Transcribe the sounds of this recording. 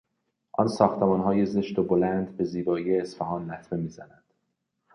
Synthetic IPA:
ʔɒ̰nsɒːxt̪ʰemɒːnɦɒːjeze̞ʃt̪obolænd̪be̞ziːbɒːjeːsfæɦɒːnlæt̪ʰme̞miːzænænd̪̥

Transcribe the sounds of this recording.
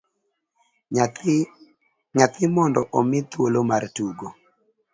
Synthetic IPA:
ɲat̪ɪmɔndɔʔomɪt̪wolomartuɡo

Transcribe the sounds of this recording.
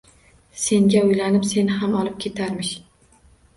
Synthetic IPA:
se̞ŋɡʲaʊjlanɪpse̞nɪɦamɒlˠɪp̚kʲʰe̞t̪ʰaɾmɪʃ

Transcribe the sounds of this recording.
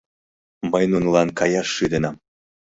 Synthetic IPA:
məjnunlɑnkʰɑjɑʃːɯd̪enɑm

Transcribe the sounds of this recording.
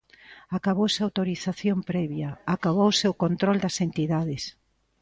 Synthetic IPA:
akaβowseawt̪oɾiθaθjompɾɛβjɐakaβowsewkont̪ɾold̪ɐsent̪iðaðes

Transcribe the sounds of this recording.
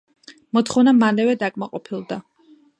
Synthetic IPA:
mɔt̪χɔvnamalɛvɛd̪akʼmaqʼɔpʰilˠd̪a

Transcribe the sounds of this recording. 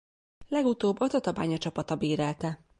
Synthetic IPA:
lɛɡut̪oːbːɒt̪ɒt̪ɒbaːɲɒt͡ʃɒpɒt̪ɒbeːɾɛlt̪ɛ

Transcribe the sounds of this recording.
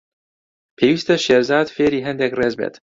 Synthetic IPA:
pʰewiːst̪ɛʃeɾzɑːd̪feɾiːɦɛnd̪ekrɛzbḛt̪

